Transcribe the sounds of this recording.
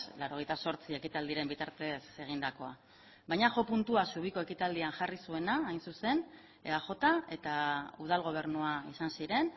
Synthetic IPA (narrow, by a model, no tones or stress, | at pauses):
laɾo̞ɣ̞ejt̪aso̞ɾt͡sie̞kit̪ald̪iɾe̞mbit̪aɾt̪e̞se̞ɣ̞ind̪ako̞a | βajɲaʝo̞punt̪uasuβ̞iko̞e̞kit̪ald̪ianʝarisue̞naːjnsuse̞n | eaʝo̞t̪ae̞t̪auð̞alɣ̞o̞β̞e̞ɾnuaisansiɾe̞n